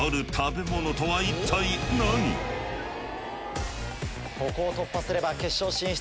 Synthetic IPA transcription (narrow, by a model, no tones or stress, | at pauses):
aɾɯ̟t̪ʰabe̞monot̪oβait̪ʰainaɲ̟ḭ | ko̞ko̞ːt̪o̞pːasɨɾe̞bake̞ɕːo̞ːɕĩɕi̥